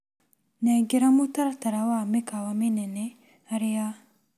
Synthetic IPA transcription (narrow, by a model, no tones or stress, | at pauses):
neɡeɾamut̪art̪aɾawamikawamenene | aɾeja